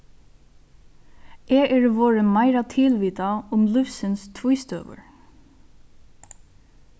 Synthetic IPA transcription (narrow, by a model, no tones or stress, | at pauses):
ʔɛːʔɛɹʋoːɹəmaɪɾat̪ʰɪlʋiːt̪aʊmlʏfsɪnst̪ʰʋujst̪ø̰ːʋə̰ɹ